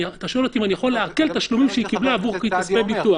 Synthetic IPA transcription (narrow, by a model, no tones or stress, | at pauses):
at̪aʃoelot̪imanijaχo̞leake̞lt̪aʃlumimʃeikiblaːvuʁkeit̪aspebitua